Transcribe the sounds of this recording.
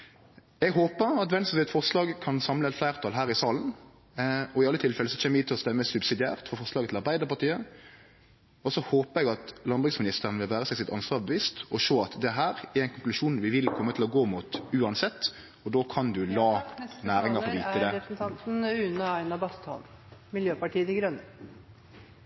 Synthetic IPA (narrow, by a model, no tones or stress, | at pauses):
ɛɡɦoːpəɾɑt̪ʋɛnsɔsɛt̪fɔʁslɑːɡkʰɑnsɑmləɛt̪flæɪʁt̪ʰɑːlɦæːɾɪsɑːln | ɔɪɑlːət̪ʰɪlfɛləsɔc͡çʰɛːnʋɛɪːt̪ʰːɪlɔst̪ɛmːəsʉbsɪd̪ɪæ̰ːʁt̪fɔɾfɔɾslɑːɡət̪ʰɪlɑɾbæɪd̪əʁpɑʁt̪ʰiːə | ɔsɔhoːpəɾɛɡɑt̪lɑnbʉɡsmɪnɪst̪əʁənəʋɪlʋæːʁəsɛɪsɪt̪ɑnsʋɑːɾʁbəʋiːst̪ɔʃoːɑt̪d̪ɛɦæːɾæɾɛɪnkʰʊŋklʉʃuːnʋɪʋɪlkʰɔmːət̪ʰɪlɔɡoːmuːt̪ʉːɑnsɛt̪ː | ɔd̪oːkʰɑnd̪ʉlɑːnæːɾɪŋɑʁʋiːt̪əd̪ɛɾn̩t̪ʰɑnt̪n̩ʉːnəɑɪnɑbɑst̪hɔ̰nmɪljøːpɑʈʰiːət̪ɪɡɾœnə